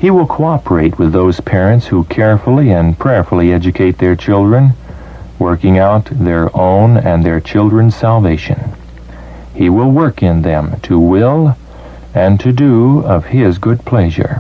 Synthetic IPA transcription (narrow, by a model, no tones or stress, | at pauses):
hiwɪlˠkʰoɑpə˞eɪt̚wɨðoʊz̥pʰɛɹɨ̃ntshukʰɛɹfl̩ˠiɨ̃npʰɹ̥ɛɹfl̩ˠiɛd͡ʒɨkʰeɪt̪̚ðə˞t͡ʃʰɪlˠdɹɨ̃n | wɜ˞kɪ̃ŋaʊt̪̚ðə˞ʔõʊ̃nɨ̃nðə˞t͡ʃʰɪlˠdɹɨ̃nz̥sælˠveɪʃɨ̰̃n | hiwɪlˠwɜ˞kɪ̃nðɨ̃mtʰɨwɪlˠ | ɨ̃ntʰɨdɨʌv̥ɪzɡʊd̚pʰl̥ɛʒə̰˞